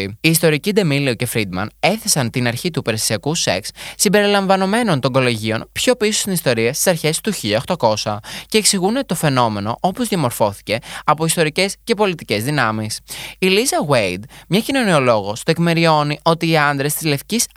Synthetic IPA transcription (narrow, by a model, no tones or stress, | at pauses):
iːst̪o̞ɾicid̪emilioce̞fɾid̪mɐ̰ne̞θe̞sɐnt̪inɐɾçit̪upeɾesiɐkuse̞̰kssimbe̞ɾilɐɱvɐno̞me̞no̞nt̪o̞ŋɡo̞loʝio̞npço̞pisost̪inist̪o̞ɾiɐst̪i̥sɐɾçe̞st̪uçiʎɐoxt̪oko̞sɐce̞ːksiɣune̞t̪o̞fe̞no̞me̞no̞ʔo̞po̞zðiɐmo̞ɾfo̞θi̥ce̞ɐpo̞ist̪o̞ɾice̞sce̞po̞lit̪ice̞zðinɐmisilisɐɣwejd̪mɲɐcino̞nio̞lo̞ɣo̞st̪oekme̞ɾio̞niʔo̞t̪iːɐnd̪ɾe̞st̪izle̞fcis